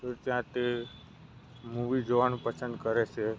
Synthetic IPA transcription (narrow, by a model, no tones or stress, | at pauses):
əɾt̪jãt̪e | muʋid͡ʒoʋanũpəsə̃nd̪kəɾet͡ʃʰe